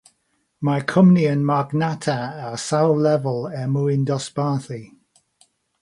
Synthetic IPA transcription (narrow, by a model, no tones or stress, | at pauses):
makʰʊmniənmaɡnatʰaasawlɛvəlˠɛmuɪndɔsb̥aːθi